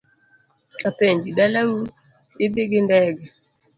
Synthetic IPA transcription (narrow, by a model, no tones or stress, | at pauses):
apɛɲd͡ʒiɗalawu | ɪbeɡɪndɛɡɛ